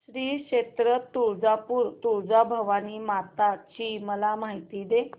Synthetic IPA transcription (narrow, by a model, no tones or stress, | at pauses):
ɕɾiːkɕet̪ɾət̪uɾd͡zapuɾt̪uɾd͡zabʱəʋaniːmat̪at͡ɕiməlam̤aɦit̪iːd̪e